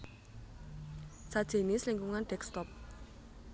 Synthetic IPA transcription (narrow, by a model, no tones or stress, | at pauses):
sad̥ʒ̥e̤nisliŋkuŋanɖ̥ɛkst̪ɔp̚